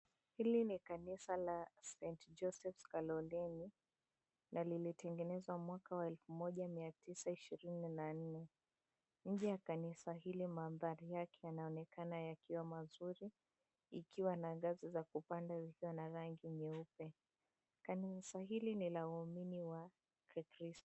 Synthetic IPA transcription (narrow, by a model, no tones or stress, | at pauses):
hilinikanisalasɛntd͡ʒɔsɛfkalɔlɛni | nalilitɛŋɡɛnɛzwamwakawaɛlfumɔʄamiatisaiʃiɾininan̩nɛ | ɲ̩ʄɛjakanisaɦilimaːnðaɾijakɛjanaɔnɛkanajakiwamazuɾi | ikʰiwanaɡazizakupandazikiwanaɾaŋɡiɲɛupɛ | kanisaɦilinilauaminiwa | kɛkɾis